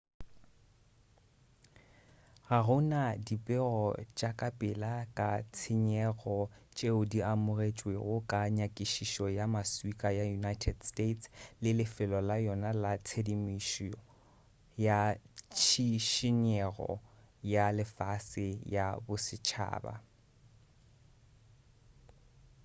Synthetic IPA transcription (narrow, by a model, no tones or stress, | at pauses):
ɣaɣʊnadipʼɪɣɔt͡ʃʼakʼapʼɪlakʼat͡sʰɪɲɛɣɔt͡ʃʼeʊdiamʊret͡ʃʼweɣʊkʼaɲakʼiʃiʃɔjamaswikʼajajunajtʰɛdstetslɪlɪfɪlɔlajɔnalat͡sʰedimiʃ | jat͡ʃʰiʃɪɲɛɣɔ̰ | jalɪfasɪjabʊsɪt͡ʃʰa̰ːba̰